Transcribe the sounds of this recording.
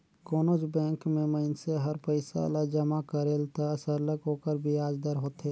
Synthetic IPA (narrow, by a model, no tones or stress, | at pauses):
koːnod͡ʒbɛ̃ːŋkmẽməɪnseɦəɾpəɪsa̰lad͡ʒəmakəɾeːlt̪asəɾləkɦoːkəɾbʱiaːd͡ʒd̪əɾɦoːt̪eː